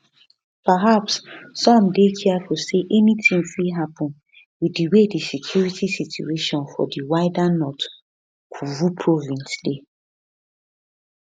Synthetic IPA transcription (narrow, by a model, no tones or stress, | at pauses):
paɦapsːɔ̃mdekʰiafoseʔɛnitʰĩŋfiɦapɔ̃n | widiwedisikʰjuɹitʰisitṵeʃɔ̃nfɔ̰diwaɪdanɔt | kʰuvupʰɹɔvĩnsde